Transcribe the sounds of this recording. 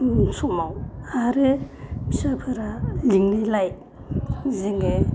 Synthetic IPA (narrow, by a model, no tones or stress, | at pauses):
sʰumawaɾɯbisapʰɯɾaliŋnilaj | ziŋe